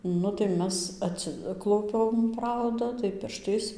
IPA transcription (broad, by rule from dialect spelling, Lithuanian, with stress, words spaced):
ˈnʊ tɐɪ ˈmʲɛs ɐtʲˈsʲɪklˠɐʊpʲɛm ˈprɐʊdɐ tɐɪ ˈpʲɪrʃtɐɪs